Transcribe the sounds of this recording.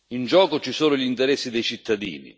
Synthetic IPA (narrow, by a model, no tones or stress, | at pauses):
ind͡ʒɔːkʊt͡ʃisuːnʊʎint̪ɛɾɛsːid̪ɛjt͡ʃit̪ːad̪ḭːnḭ